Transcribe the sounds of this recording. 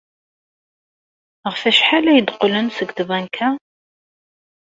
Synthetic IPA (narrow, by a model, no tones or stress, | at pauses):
ʁəfæʃħalæjəd̪qlənsəɡt̪vænkʰæ